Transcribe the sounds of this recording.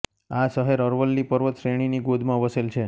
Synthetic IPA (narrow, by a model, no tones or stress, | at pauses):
asəɦeɾəɾʋəlːipəɾʋət̪ʃɾeɽ̃iniɡod̪ʱmãʋəselt͡ʃʰe